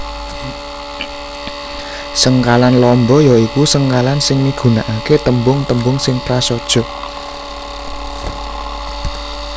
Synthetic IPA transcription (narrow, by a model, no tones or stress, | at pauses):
səŋkalanlɔmbɔjɔikusəŋkalansɪŋmiɡ̥ṳnaʔaket̪əmbʊŋt̪əmbʊŋsɪŋpɾasɔd̥ʒ̥ɔ̤